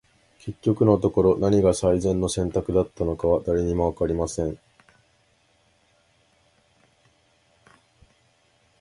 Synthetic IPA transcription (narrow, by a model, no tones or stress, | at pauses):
kʰe̞kʲːo̞kɯ̟no̞t̪o̞ko̞ɾo̞naɲ̟iɡasaizẽ̞nːo̞sẽ̞nt̪akɯ̟d̪at̪ːano̞kaβad̪aɾe̞ɲ̟imo̞βakaɾʲimasẽ̞ɴ